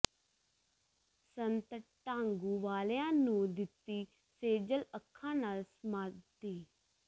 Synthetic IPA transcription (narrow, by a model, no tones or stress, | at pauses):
sənt̪əʈãːŋɡuːʋaːleãːnũːd̪ɪt̪ːiː | seːd͡ʒələkʰːãːnaːlsmaːdt̪iː